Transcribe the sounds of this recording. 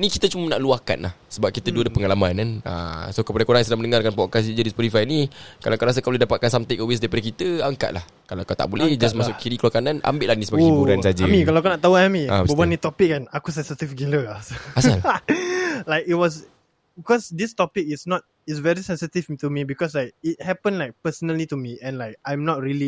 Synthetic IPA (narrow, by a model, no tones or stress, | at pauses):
nikit̪ət͡ʃuməna̰ʔluahka̰nla̰hsəbap̚kit̪əduədəpəŋalamãnana̰sokəpadakoɾaŋsudamənəŋarkanpɔt̚kas̬id͡ʒadispɔt̪ifajnikalakəɾas̬akaladapat̪̚kansamt̪ikowes̬daipadak̬it̪əaŋka̰ʔ̚lah | kalakat̪a̰ʔbulɛhd͡ʒasmasʊʔkʰiɾikəluakananʔa̰mbɪʔlahnisəbaɡbuɾannsad͡ʒəmĩkalawkanaʔt̪auɛmĩababanit̪ɔpik̚ɛ̃nakusɛ̃nsit̪ifɡiləasasal | lajkit̚wɔs | bikɔsdist̪ɔpik̚isnɔt̚ | itsvɛɹisɛ̃nsit̪ift̪umibikɔslajk̚it̚hɛpə̃nlajk̚pəsənəlitumiɛ̃nlajk̚ajmnɔt̚ɹili